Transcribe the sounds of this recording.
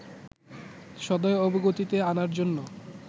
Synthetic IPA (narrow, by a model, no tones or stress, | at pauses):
ʃɔd̪oeoboɡot̪it̪eanaɾd͡ʑonːo